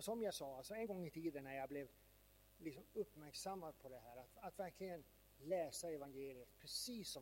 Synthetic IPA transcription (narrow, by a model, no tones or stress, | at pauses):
sɔmjasɑːalsɔɛnɡɔŋːɪt̪ʰiːd̪ənːæɾjablɛv | lɪksɔmɵpːmæɾksamːad̪̚pʰɔd̪ɛɦæːɾat̪at̪væɾkʰlɪɡən | lɛːsaɛvanɡeːlɪət̪pʰɾɛsiːsːɔ